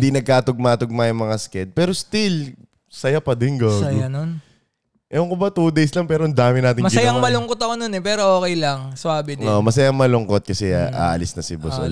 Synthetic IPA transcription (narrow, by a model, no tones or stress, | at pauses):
d̪inɐɡ̚kaːt̪ʊɡ̚mat̪ʊɡ̚majʊŋmɐŋaskɛd̪̚pɛːɾo̞st̪il | sɐjapɐd̪ɛnɡaːjɡanon | ʔɛoŋkobat̪ud̪ejslɐŋpɛːɾoʔɐnd̪aːmɪnaːt̪ɪŋmɐɡɪɐjaɐŋmɐlʊŋkot̪ɐkononɛpɛːɾoʔoːkɛjlɐŋsʊaːbɪnomɐsɐjaŋmɐlʊŋkot̪̚kɐsɛʔa̰ɐlɪsnɐsɪbɐso̰l